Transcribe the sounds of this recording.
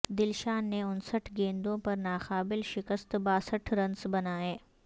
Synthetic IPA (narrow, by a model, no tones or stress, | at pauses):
d̪ɪlʃaːnːeʊnsəʈʰɡẽːnd̪õpɐɾnaːxaːbɪlʃɪkəst̪baːsəʈʰɾɐ̃nsbɐnaːeː